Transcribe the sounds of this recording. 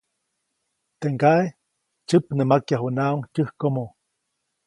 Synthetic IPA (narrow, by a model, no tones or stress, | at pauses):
t̪eŋɡae | t͡ʃɨpnɨmakjaɦunauŋt͡ʃʲɨhkomo